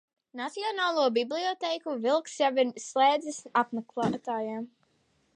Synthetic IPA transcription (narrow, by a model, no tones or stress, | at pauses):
nat̪siɔnaːlˠuɔbiblˠiɔt̪ɛjkuvilˠksjavinslˠɛːd̪zɨsapmɛklˠaːt̪aːjam